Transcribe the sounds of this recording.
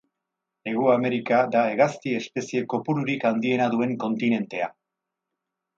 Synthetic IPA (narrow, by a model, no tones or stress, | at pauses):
e̞ɣuame̞ɾikaðae̞ɣaskie̞spe̞sie̞ko̞puɾuɾikand̪ie̞naðue̞ŋko̞nt̪ine̞nt̪e̞a